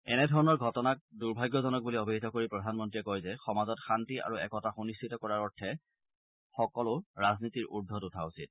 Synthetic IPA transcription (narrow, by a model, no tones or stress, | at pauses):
ɛnɛdʱɔɹɔnɔɹɡʱɔtɔnak̚duɹbʱajɡːɔzɔnɔk̚buliɔbʱiɦitɔkoɹipɹɔdʱanmɔntɹiɛkoɔjzɛxɔmazɔtxantia̰ɹuɛkɔtaxonistʰitɔkɔɹaɹɔɹtʰɛ | xɔkɔlʊɹaznitiɹʔudʱːɔtutʰausit̚